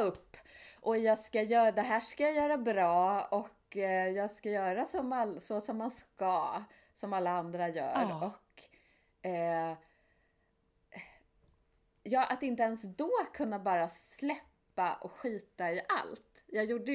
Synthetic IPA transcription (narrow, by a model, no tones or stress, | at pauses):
ɵpːʔɔjɑːɡskajœːd̪ɛɦæːʂkajajœːɾabɾɑːɔkjɑːɡskajœːɾasɔmalsɔsɔmːanskɑː | sɔmalːaand̪ɾajœ̰ːɾɔk | jɑːʔat̪ɪnt̪əɛnsd̪ɔːkʰɵnːabɑːɾaslɛpːaʔɔkɧiːt̪aɪʔa̰lt̪ | jɑːjuːɖːə